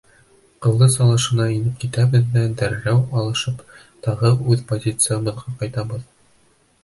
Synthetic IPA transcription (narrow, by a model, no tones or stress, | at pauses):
qɤ̆lˠːɤsɑlˠɤ̆ʃɤ̆nɑinɘpkit̪æbɘ̆ðːæd̪æɾːæwɑlˠɤ̆ʃɤp | t̪ɒʁɤʉðpozʲit̪sɨjabɤ̆ðʁɑqɒjt̪ɑbɤð